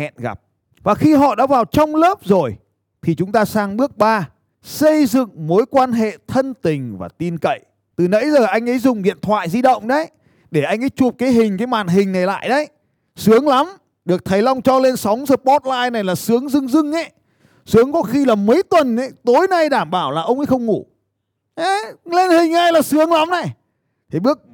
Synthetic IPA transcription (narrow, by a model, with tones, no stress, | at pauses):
ɛ̰˧˨nɣa̰˨˩p̚ | vaː˨˩xi˧ɦɔ̰˧˨ɗa̰ː˧˥vaː˨˩wt͡ɕɔ˧wŋ͡mləː˦˥p̚zo˨˩j | t̪ʰi˨˩t͡ɕʊ˨˦ŋ͡mt̪aː˧saː˧ŋɓɨ˦˥ək̚ɓaː˧ | sə˧jzɨ̰˧˨ŋmo˨˦jkwaː˧nɦḛ˧˨t̪ʰə˧nt̪ï˨˩ŋ̟vaː˨˩t̪i˧nkə̰˧˨j | t̪ɨ˨˩nə̰˧˥jzəː˨˩ʔa˧jŋ̟ʔə˨˦jzʊ˨˩ŋ͡mɗḭ˧˨ənt̪ʰwa̰ː˧˨jzi˧ɗə̰˧˨wŋ͡mɗə˨˦j | ɗe˧˩ʔa˧jŋ̟ʔə˨˦jt͡ɕu˨˩p̚kaː˨˦jɦï˨˩ŋ̟kaː˨˦jmaː˨˩nɦï˨˩ŋ̟na˨˩jla̰ː˧˨jɗə˨˦j | sɨ˨˦əŋla˨˦m | ɗɨ˨˩ək̚t̪ʰə˨˦jla˧wŋ͡mt͡ɕɔ˧le˧nsa˨˦wŋ͡mzəː˧˩ɓɔ˦˥t̚laː˧jna˨˩jlaː˨˩sɨ˨˦əŋzɨ˧ŋzɨ˧ŋʔə˨˦j | sɨ˨˦əŋkɔ˨˦xi˧laː˨˩mə˨˦jt̪wə˨˩nə˨˦jt̪o˨˦jna˧jɗaː˧˩mɓaː˧˩wlaː˨˩ʔə˧wŋ͡mʔə̰˧˦jxə˧wŋ͡mŋu˧˩ | ʔa˨˦le˧nhï˨˩ŋ̟ʔa˧jlaː˨˩sɨ˨˦əŋla˨˦mna˨˩j | t̪ʰi˨˩ɓɨ˦˥ək̚